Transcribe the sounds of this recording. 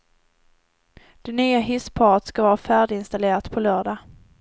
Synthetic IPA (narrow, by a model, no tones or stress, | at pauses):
d̪̥ɛnyːaɦɪspʰɑːɾət̪skavɑːɾafæːɖɪɪnst̪aleːɾat̪pʰɔlœːɖɑ